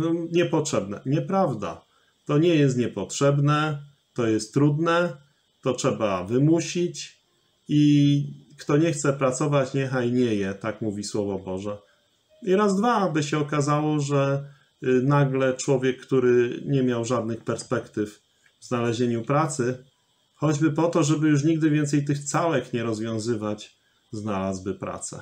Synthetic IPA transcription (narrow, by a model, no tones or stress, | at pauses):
ɔɲɛpɔtʂɛbnɛ̰ɲɛpɾavd̪a̰ | t̪ɔɲɛjɛst̪ɲɛpɔtʂɛbnɛ | t̪ɔjɛst̪ːɾud̪nɛ | t̪ɔtʂɛbavɘmuɕit͡ɕ | i | kt̪ɔɲɛxt̪sɛpɾat̪sɔvat͡ɕɲɛxajɲɛjɛt̪akmuvʲiswɔvɔbɔʐɛ | iɾazd̪vabɘɕɛɔkazawɔʐɛ | naɡlɛt͡ʂwɔvʲjɛkːt̪uɾɘɲɛmʲjawʐad̪nɘxpɛɾspɛkt̪ɘf | vznalɛʑeɲupɾat̪sɘ | xɔd͡ʑbɘpɔt̪ɔʐɛbɘjuʂ̬ɲiɡd̪ɘvʲjɛnt̪sɛjt̪ɘxt̪sawɛkɲɛɾɔzvʲjɔ̃w̃zɘvat͡ɕ | znalazbɘpɾa̰t̪sɛ̰